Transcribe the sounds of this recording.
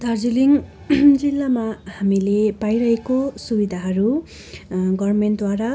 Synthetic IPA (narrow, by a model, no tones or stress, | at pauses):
d̪ʱʌrd͡ziliŋ | d͡zilːamahamilepajɾʌɦekosubid̪ʱaɦʌɾu | ɡʌrmenʈ̚d̪waɾa